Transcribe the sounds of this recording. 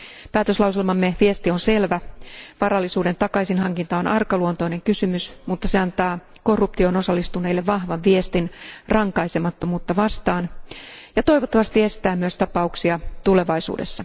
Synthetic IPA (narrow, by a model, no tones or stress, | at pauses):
pæːt̪øslɑwselmɑmːeʋie̞st̪io̞nse̞lʋæʋɑɾɑlːisuːde̞nt̪ɑkɑjsinɦɑŋkint̪ɑonʔɑrkɑluont̪o̞ine̞ŋkysymysmut̪ːɑse̞ɑnt̪ɑː | ko̞rːup̚t̪io̞no̞sɑlːist̪une̞ilːeʋʋɑhʋɑʋʋie̞st̪inrɑŋkɑisemɑt̪ːo̞muːt̪ːɑʋɑst̪ɑːnjɑt̪o̞jʋot̪ːɑʋɑst̪ie̞st̪æːmyøst̪ɑpɑuksiɑt̪ule̞ʋɑisṵːdesːɑ